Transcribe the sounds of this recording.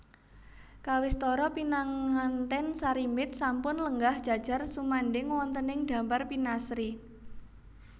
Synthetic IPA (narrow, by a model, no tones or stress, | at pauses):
kawɪst̪ɔɾɔpinaŋːant̪ɛnsaɾimɪt̪̚sampʊnləŋɡahd̥ʒ̥a̤d̥ʒ̥a̤rsumaɳɖɪŋwɔnt̪ənɪŋd̪̥ä̤mparpinasɾi